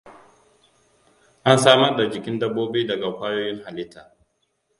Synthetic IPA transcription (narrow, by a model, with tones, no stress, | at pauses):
ʔa˦nsaː˦mɐ˦rda˨d͡ʒɪ˨kʲɪ˦ndɐ˦bːoː˦beː˦dɐ˨ɡa˨kʷaː˦joː˦jɪ˦ŋha˨lɪ˦tːaː˨